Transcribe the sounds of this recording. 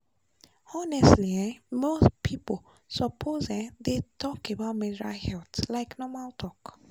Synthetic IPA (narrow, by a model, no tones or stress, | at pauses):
ɔnɛstliãmospʰipol | sɔpʰozɛ̃detʰɔkebaʊt̚mɛdiɾa̰lhɛltlaɪknɔmaltʰɔk